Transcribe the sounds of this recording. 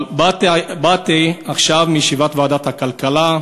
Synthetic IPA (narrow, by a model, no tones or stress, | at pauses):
batbat̪iaχʃavmijʃivat̪vaːd̪at̪hakalkala